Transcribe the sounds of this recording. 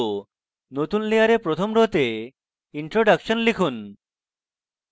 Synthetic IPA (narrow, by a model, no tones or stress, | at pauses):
not̪unliaɾepɾot̪ʰomɾoɦt̪e | iɳʈɾoɖakʃɔnlikʰun